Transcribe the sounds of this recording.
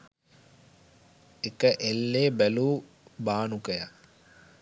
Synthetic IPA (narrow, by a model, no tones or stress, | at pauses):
ekəʔelːeːbæluː | baːnukəja̰